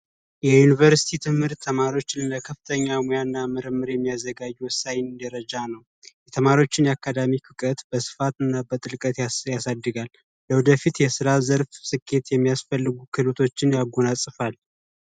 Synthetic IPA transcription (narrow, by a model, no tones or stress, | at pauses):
jɛjunivəɾsi̥t̪ʰit̪ʰɨmhɨɾt̪ʰːəmaɾio̞t͡ʃːɪnləkʰəfɨ̥t̪ʰəɲːamojanːamɨɾɨmːɨɾjɛmːijazːəɡad͡ʒːiwɔsːajɪnd̪əɾəd͡ʒanəw | jɛt̪ʰəmaɾio̞t͡ʃːɪnjakːad̪amikʰɨkʼət̪bəsɨ̥fat̪ɨnːabət̪ʼɨlkʼət̪jajasad̪ːɨɡalː | əwd̪əfit̪jɛsɨɾazəɾfsɨkʰːe̞t̪jɛmːijasfəlːɨɡukʰɨlut̪ʰo̞t͡ʃːɪnjaɡo̞nasʼɨfal